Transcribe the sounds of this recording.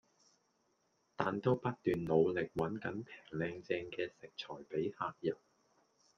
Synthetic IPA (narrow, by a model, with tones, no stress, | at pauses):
t̪aː˨˩nt̪o˥wpɐ˥t̚t̪yː˨nlo˨˧wlɪ˨k̚wɐ˨˥nkɐ˨˥npʰɛː˨˩ŋlɛː˧ŋt͡sɛː˧ŋkɛː˧sɪ˨k̚t͡ʃʰɔː˨˩jpe˨˥jhaː˧k̚jɐ˨˩p̚